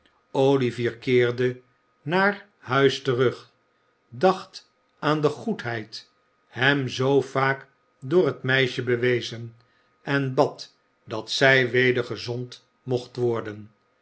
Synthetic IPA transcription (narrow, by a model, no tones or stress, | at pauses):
owliviːɹkɪːɹdə | naːr | hœɥstərɵχ | dɑχt | aːndəχutɦɛjt | hɛmzowfaːk | dʊːɹɦətmɛjʃəbəʋejzən | ɛnbɑt | dɑtsɛjʋejdəɹχəzɔnt | moχtʋɔɹdən